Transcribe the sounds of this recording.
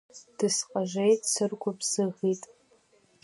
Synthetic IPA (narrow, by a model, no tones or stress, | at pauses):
d̥ɨsqʼaʒʷejtʼsɨrkʷʰʊbz̥ɨʁitʼ